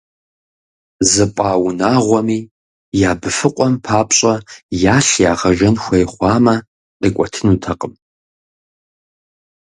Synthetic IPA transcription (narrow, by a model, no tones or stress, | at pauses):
zɨpʷʼaːwʊnaːʁʷɔmiː | jaːbɨfɨqʷʼɔmpʰaːpɕʼɐjaːɬjaːʁɐʒɐnxʷɐjχʷɑːmɐ | qʼikʷʼɔtʰɨnuːtʰɐqʼəm